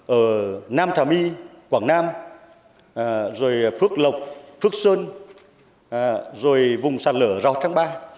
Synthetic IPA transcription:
ʔəː˧˩naː˧mt̪ʰaː˨˩mi˧kwaː˧˩ŋnaː˧m | zo˨˩jfɨ˦˥ək̚lə˨˩wk͡p̚fɨ˦˥ək̚səː˧n | zo˨˩jvʊ˨˩ŋ͡msaː˨˩t̚ləː˧˩˦za˨˩t̪ʰaː˧˦ŋɓaː˧

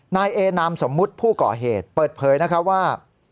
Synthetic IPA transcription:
naː˧jʔeː˧naː˧mso˩˦mːu˦˥t̪̚pʰuː˥˩kɔː˨˩ɦeː˨˩t̪̚pɤː˨˩t̪̚pʰɤː˩˦jna˦˥kʰa˦˥waː˥˩

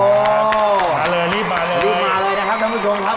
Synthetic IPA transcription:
o˧ | maː˨˧˩ləː˧˩li˦˥˩maː˨˧˩ləː˧i˦˥˧ləː˧jnaː˦˥˩kʰa˦˥p̚kʰa˧mpʰu˧t͡ɕʰo˧mkʰa˦˥

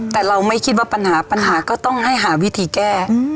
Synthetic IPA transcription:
t̪ɛː˨˩ɾa˧wma˥˩jkʰi˦t̪̚waː˥˩pa˧nhaː˩˦pa˧nɦaː˩˦kɔː˥˩t̪ɔ˥˩ŋɦa˥˩jɦaː˩˦wi˦˥t̪ʰiː˧˦kɛː˥˩

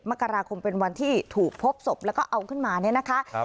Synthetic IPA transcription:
ma˦˥kːa˧ɾaː˧kʰo˧mpe˧nwa˧nt̪ʰiː˥˩t̪ʰuː˨˩k̚pʰo˦˥p̚so˨˩p̚lɛ˦˥wkɔː˥˩ʔa˧wkʰɯ˥˩nmaː˧ni˥˩ɐna˦˥kʰa˦˥

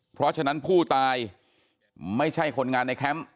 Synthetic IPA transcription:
pʰɾɔ˦˥t͡ɕʰa˧na˦˥npʰuː˥˩t̪aː˧j | ma˥˩jt͡ɕʰa˥˩jkʰo˧nŋaː˧nːa˧jkʰɛ˦˥m

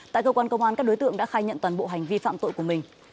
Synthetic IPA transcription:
t̪a̰ː˧˨kəː˧kwaː˧nkə˧wŋ͡mʔaː˧nkaː˦˥k̚o˨˦jt̪ɨ̰˧˨əŋɗa̰ː˧˥xaː˧jɲə̰˧˨nt̪waː˨˩nɓo̰˧˨ɦa˨˩jŋ̟vi˧fa̰ː˧˨mt̪o̰˧˨jku˧˩əmï˨˩ŋ̟

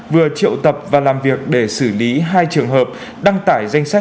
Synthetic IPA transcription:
vɨ˨˩ət͡ɕḭ˧˨əwt̪ə˨˩p̚vaː˨˩laː˨˩mvi˨˩ək̚ɗe˧˩sɨ˧˩li˨˦ɦaː˧jt͡ɕɨ˨˩əŋɦəː˨˩p̚ | ɗa˧ŋt̪aː˧˩jza˧jŋ̟sa˦˥

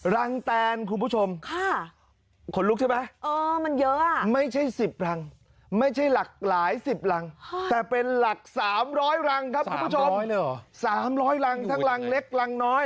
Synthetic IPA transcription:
ɾa˧ŋt̪ɛː˧nkʰu˧npʰu˦˥˩o˧mkʰa˥˩ | kʰo˧˦nlu˦˥k̚t͡ɕʰa˥˩ma˦˥jʔɤː˧ma˧njɤ˦˥ʔa˧˩ma˥˩jt͡ɕʰa˥˩jsi˨˩p̚ɾa˧ŋ | ma˥˩jt͡ɕʰa˥˩jla˨˩k̚laː˩˦jsi˨˩p̚ɾa˧ŋ˥t̪ɛː˨˩pe˧nla˨˩k̚saː˩˦mɾɔː˦˥jɾa˧ŋkʰa˦˥p̚ːmpu˥t͡ɕʰo˧˦˥saː˩˦mɾɔː˦˥jɾa˧ŋtt̪ʰa˦˥ŋɾa˧ŋle˦˥k̚ɾa˧ŋnɔː˦˥j

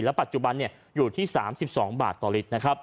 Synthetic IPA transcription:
lɛ˦˥pa˨˩t̪̚t͡ɕu˨˩ba˧nːi˥˩ɐ | juː˨˩t̪ʰiː˥˩saː˩˦msi˨˩p̚sɔː˩˦ŋba̰ː˨˩t̪ːɔː˨˩li˦˥t̪̚na˦˥kʰa˦˥p̚

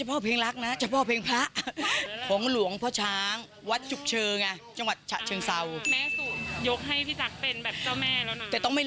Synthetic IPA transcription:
t͡ɕa˧˩pʰɔː˥˩pʰeː˧ŋla˦˥k̚na˦˥t͡ɕʰa˧˩pʰɔː˥˩pʰeː˧ŋpʰa˦˥ʔkʰɔː˩˦ŋlu˨˩˦əŋpʰɔː˥˩t͡ɕʰaː˦˥ŋ | wa˦˥t̪̚t͡ɕu˨˩p̚t͡ɕʰɤː˧ŋʔa˧˩t͡ɕa˧ŋwa˨˩t̪̚t͡ɕʰa̰˨˩t͡ɕʰɤː˧ŋsa˧wmɛː˦˥suː˨˩njo˦˥k̚ɦa˥˩jpʰiː˦˥˩t͡ɕa˨˩k̚pe˧nbɛː˨˩p̚t͡ɕa˥˩wmɛː˥˩lɛː˦˥˦t̪ɛː˨˩t̪ɔ˥˩ŋma˥˩

